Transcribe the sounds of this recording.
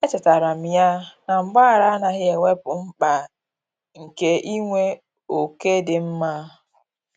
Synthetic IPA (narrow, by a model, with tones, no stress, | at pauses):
e˦tɪ˨ta˨ɾa˨m̩˨ja˦na˨m̩˨ɡ͡ba˦˨ɾa˦a˦na˨ɣɪ˦e˨ŋʷe˦pʊ˨m̩˦k͡pa˨ | ŋ̩˨ke˦ʔi˦ŋʷe˦ | o˨ke˦dɪ˨m̩˦ma˦